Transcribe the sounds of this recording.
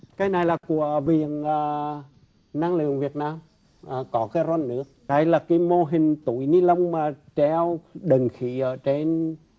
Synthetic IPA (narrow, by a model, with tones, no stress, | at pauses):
kaː˨˦jna˨˩jlaː˨˩ku˧˩əvḭ˧˨ənəː˨˩ | naː˧ŋlɨ̰˧˨əŋvi˨˩ət̚naː˧m | ʔəː˨˩kɔ˨˦kaː˨˦jzwa˧nːɨ̰˧˥ək̚ɗa˧˩jlaː˨˩ka˨˦jmo˧ɦï˨˩ŋ̟t̪u˧˩˦jni˧˦lə˧wŋ͡mmaː˨˩t͡ɕɛ˧wɗə˨˩ŋxḭ˧˥ʔəː˧˩t͡ɕe˧n